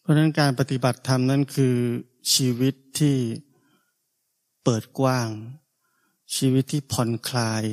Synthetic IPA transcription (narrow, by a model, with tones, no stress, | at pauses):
pʰɔ˦˥na˦˥nkaː˧npa˧t̪i˨˩ba˨˩t̪ʰːa˧mna˦˥˨nkʰɯː˧ | t͡ɕʰiː˧wi˦˥t̪ʰːiː˥˩ | pɤː˨˩t̪̚kwaː˥˩ŋ | t͡ɕʰiː˧wi˦˥t̪ʰːiː˥˩pʰɔ˧nkʰlaː˧j